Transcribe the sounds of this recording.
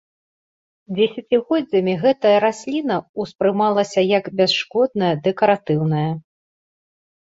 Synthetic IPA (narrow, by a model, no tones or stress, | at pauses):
d͡zʲɛsʲɐt͡sʲiɣɔdd͡zʲːɐmʲiɣɛt̪ɐjɐɾasʲlʲinɐuspɾɨmalˠɐsʲɐjɐkbʲɛsʂkɔd̪̚nɐjɐd̪ɛkɐɾat̪ɨwnɐjɐ